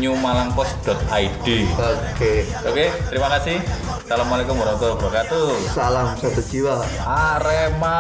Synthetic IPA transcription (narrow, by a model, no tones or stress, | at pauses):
ɲumalaŋpɔsd̥ɔ̤t̪̚ʔaiɖ̥ioke | oket̪əɾimakasɪh | d̥alamːalikɔməɾɔnt̪ɔbɾɔkat̪usalamsat̪u̥d͡ʒ̥iwa | ʔaɾema